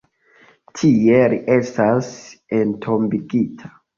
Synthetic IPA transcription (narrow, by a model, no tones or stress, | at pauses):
tʰieɾiʔestasentʰo̞mbiɡitʰḁ